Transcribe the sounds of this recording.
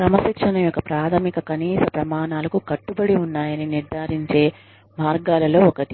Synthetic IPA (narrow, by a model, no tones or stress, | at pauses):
ɾɐmɐsikʂɐnɐmjɔkɐpɾaːt̪ʰɐmikɐkɐniːsɐpɾɐmaːnaːlɐkukɐʈːubɐɽiunːaːjɐniniɾd̪ʱaːɾiɲt͡ʃe̞ː | maːɾɡaːlɐlo̞ːɔkɐt̪i